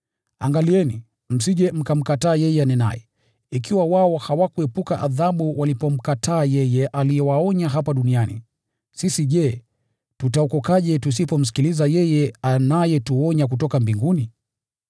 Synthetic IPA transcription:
aŋɡaliɛni | m̩siʄɛm̩kam̩kataːjɛjɛanɛna̰jɛ | ikiwawaɔhawakuɛpukaʔaðaɓuwalipɔm̩katʰaːjɛjɛʔalijɛwaɔɲaɦapaɗunianḭ | sisiʄɛ | tutaɔkɔkaʄɛtus̬ipɔm̩s̬i̥kilizajɛjɛanajɛtuɔɲak̬utɔkambiŋɡuni

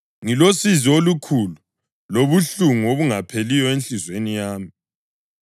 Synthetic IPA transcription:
ŋilosiziolukʰulu | loβuɬuŋuoβuŋapʰelijɔenɬizwenijaːmi

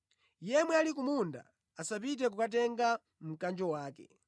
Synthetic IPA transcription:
jɛmwɛalik̬umunda̰ | asap̬it̬ɛk̬ukatɛŋɡa | m̩kand͡ʒɔwaːkɛ̰

